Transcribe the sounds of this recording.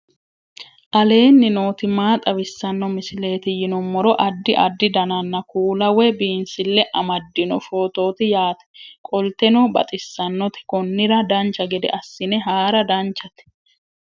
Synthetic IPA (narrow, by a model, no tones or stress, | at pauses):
ʔɐle̞ːnːɪno̞ːt̪ɪmaːt̪ʼɐbɪsːɐnːɔmɪsɪle̞ːt̪ɪjɪnɔmːɔɾɔʔɐd̪ːɪʔɐ̰d̪ːɪd̪ɐnɐnːɐkʰuːlɐwɛbiːnsɪlːɛʔɐmɐd̪ːɪnɔfo̞ːt̪o̞ːt̪ɪjaːt̪ɛ̥kʼɔlt̪ɛnɔbɐ̰t̪ʼɪsːɐnːɔt̪ɪ̥kɔnːɪɾɐd̪ɐnt͡ʃːɐɡɛd̪ɛ̰ʔɐsːɪnɛɦaːɾɐd̪ɐnt͡ʃːɐt̪ɛ̥